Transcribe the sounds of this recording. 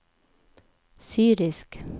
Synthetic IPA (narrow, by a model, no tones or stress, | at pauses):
syːɾɪsk